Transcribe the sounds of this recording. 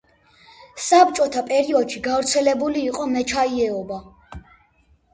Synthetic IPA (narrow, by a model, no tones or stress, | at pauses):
sabt͡ʃʼɔt̪ʰapʼɛɾiɔd̪̥ʃiɡavɾt̪sʰɛlɛbuliːqʼɔmɛt͡ʃʰaiɛɔba